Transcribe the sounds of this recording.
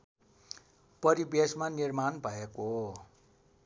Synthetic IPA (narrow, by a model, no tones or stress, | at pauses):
pʌɾibesmanirmanbʱʌeko